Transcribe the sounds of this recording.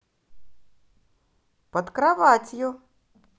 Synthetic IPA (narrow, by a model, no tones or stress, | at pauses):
pɐt̪kɾavatʲjʊ